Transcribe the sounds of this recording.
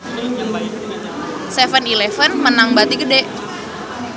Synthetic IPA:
sefənilefənmənaŋbat̪iɡədeʔ

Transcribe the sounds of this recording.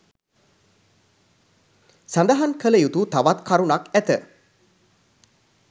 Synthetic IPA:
sand̪aɦankələjut̪ut̪aʋat̪kʰaɾunakæt̪ə

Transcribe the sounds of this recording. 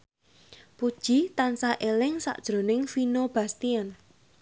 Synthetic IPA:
pud̥ʒ̥i̤t̪ansaʔelɪŋsa̰ʔd̥ʒ̥ɾo̤nɪŋfinob̥a̤st̪ian

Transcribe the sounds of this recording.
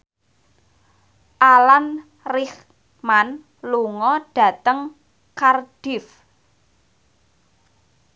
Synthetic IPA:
ʔalan | rɪx | man | luŋɔɖ̥ä̤t̪əŋ | kard̥ɪf

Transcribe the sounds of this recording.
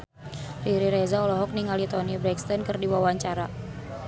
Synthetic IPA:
riɾiɾezaɔlɔɦɔk̚niŋalit̪ɔnibɾɛkst̪ɔnkɨrdiwawaɲt͡ʃaɾa

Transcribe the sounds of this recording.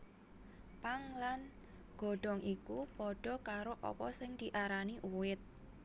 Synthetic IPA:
paŋlan | ɡ̥ɔ̤ɖ̥ɔ̤ŋʔikupɔɖ̥ɔ̤kaɾoʔɔ̰pɔsɪŋd̪̥i̤ʔaɾaniʔuwɪt̪̚

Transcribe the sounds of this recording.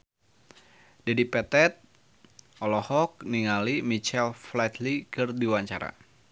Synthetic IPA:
dadipɛt̪ɛt̪̚ | ʔɔlɔhɔk̚niŋalimit͡ʃɛlflɛt̪likɨrdiwaɲt͡ʃa̰ɾa̰

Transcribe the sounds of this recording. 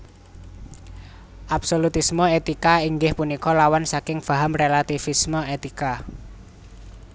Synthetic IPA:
ʔab̥solut̪ismɔet̪ikaiŋɡɪhpunikɔlawansakɪŋb̥aɦamrelat̪ifismɔet̪ika

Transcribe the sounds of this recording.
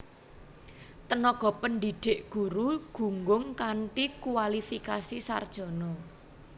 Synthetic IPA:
t̪ənɔɡ̥ɔ̤pənd̪iɖ̥e̤ʔɡ̥ṳɾuɡ̥ṳŋɡʊŋkaɳʈikuwalifikasisa̰rd̥ʒ̥ɔ̤nɔ

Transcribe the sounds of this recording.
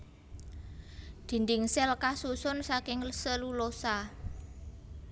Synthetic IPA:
d̪̥i̤nd̪ɪŋsɛlkasusʊnsakɪŋlsəlulosa

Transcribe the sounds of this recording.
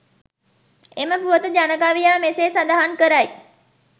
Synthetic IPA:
eməpuʋət̪əd͡ʒanəkaʋijaːmeseːsad̪aɦankəɾaj

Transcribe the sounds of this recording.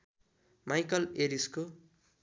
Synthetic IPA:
majkʌleɾisko

